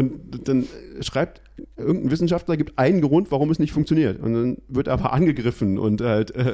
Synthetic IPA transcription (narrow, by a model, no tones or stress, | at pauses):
ʔʊntd̥anʃʁ̥aɪp̚t | ʔɪɐɡŋ̩tn̩vɪsn̩ʃaftlɐɡiːp̚tʔaɪnənɡəʁʊntv̥aʁʊmɛsnɪçtfʊŋkt͡sjoniːɐtʊ̰ntd̥anvɪɐtːaːbɐ̰ʔa̰nɡəɡʁɪfn̩ʔʊ̰nthaltʔɛː